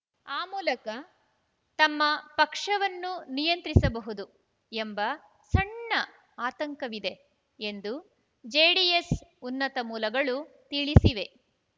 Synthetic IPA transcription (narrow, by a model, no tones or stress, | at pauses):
aːmuːlɐkɐ | t̪ɐmːɐpɐkʂɐʋɐnːunijɐnt̪ɾisɐbɐɦud̪u | e̞mbɐ | sɐɳːɐ | aːt̪ɐŋkɐʋid̪e̞ | end̪u | d͡ʒeːɽiesunːɐt̪ɐmuːlɐɡɐɭut̪iɭisiʋe̞